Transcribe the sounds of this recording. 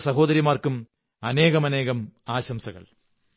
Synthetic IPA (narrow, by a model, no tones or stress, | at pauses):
sɐɦo̞ːd̪ɐɾjimaːrkum | ɐne̞ːɣɐmɐne̞ːɣɐmaːɕɐmsɐɣɐ̰ɭ